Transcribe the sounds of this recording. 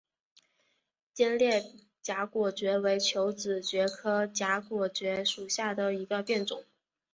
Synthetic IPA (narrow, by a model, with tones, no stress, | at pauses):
t͡ɕjɛ˥nljɛ˥˩ | t͡ɕja˧˥kwɔ˨˩t͡ɕɥɛ˧˥we˧˥ɪt͡ɕʰjo˧˥ʊt͡sɹ̩˨˩t͡ɕɥɛ˧˥kʰɤ˥t͡ɕja˧˥kwɔ˨˩t͡ɕɥɛ˧˥ʂu˨˩ɕja˥˩d̪ə˩i˧˥ɡə˧pjɛ˥˩nʈ͡ʂʊ̰˨˩˦